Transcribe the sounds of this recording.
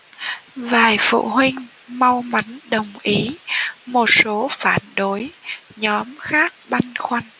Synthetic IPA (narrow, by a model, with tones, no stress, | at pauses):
vaː˨˩jfṵ˧˨ɦwï˧ŋ̟ | ma˧wma˨˦jŋ̟ɗə˨˩wŋ͡mʔi˨˦mo˨˩t̚so˨˦faː˧˩nɗo˨˦jɲɔ˨˦mxaː˦˥k̚ɓa˧jŋ̟xwa˧jŋ̟